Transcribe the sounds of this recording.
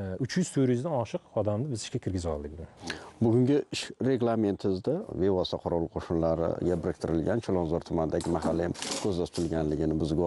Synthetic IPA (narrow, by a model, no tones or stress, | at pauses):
ʊt͡ʃʰjyz̥t̪ʰɵɾjʏzd̪anɒʃɨqɒd̪amnɪbɪzɪʃkʲakʲʰɪɾɡʲɪzɒ̰lˠd̪ɪk̚ʲd̪ɪbʊɡʲʊŋɡʲɪɪʃɾe̞ɡlˠame̞nt̪ʰɪzd̪ave̞vɒst̪aqʰoɾɒlˠqʰoʃɪnlaɾɪ̰ɡʲabɪɾɪkʲt̪ʰɪɾɪlɡʲant͡ʃʰolˠɒnzɒɾt̪ʰʊmanɪd̪aɡʲɪmaɦalːajamkʲʰɵzlasʊ̥t̪ʰɪlɡʲanlɪɡʲɪnɪbʊzɪɡʲ